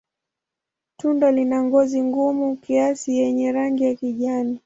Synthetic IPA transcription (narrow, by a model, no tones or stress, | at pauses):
tundalinaŋɡɔziŋɡumukiasijɛɲɛɾaŋɡijakiʄani